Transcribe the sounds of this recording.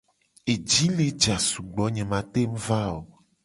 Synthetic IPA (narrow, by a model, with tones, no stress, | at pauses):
e˨d͡ʒi˦le˦d͡ʒa˨su˨ɡ͡bɔ˨˦ɲẽ˨mã˨t̪e˦m̩˦va˦o˨